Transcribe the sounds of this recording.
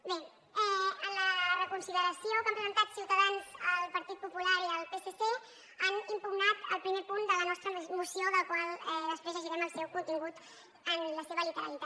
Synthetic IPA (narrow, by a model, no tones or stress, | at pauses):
be | ɛənlərəkunsiðəɾəsiokampɾəzənt̪at̪siwt̪əðanzəlˠpəɾt̪it̪̚pupulaɾiəlˠpesese | animpuɡnat̪ə̰lˠpɾimepund̪ələnɔst̪ɾəmusioðəlkwalˠɛðəspɾezəʒiɾɛməlˠsɛwkunt̪iŋɡut̪ | ənləseβəlit̪əɾə̰lit̪a